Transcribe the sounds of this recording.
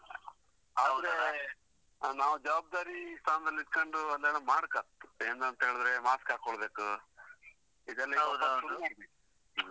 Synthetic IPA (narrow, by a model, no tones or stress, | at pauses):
aːd̪ɾe | naːʋud͡ʒɐʋaːb̚d̪aːɾist̪ʰaːnɐd̪ɐlːit̪̚koɳɖuɐlːeːnɐmaːɽkaeːnd̪ɐnt̪ɐɦeːɭd̪ɾemaːskɦaːkoɭbe̞ːku | id̪ɐlːɐɐɐsumaːbe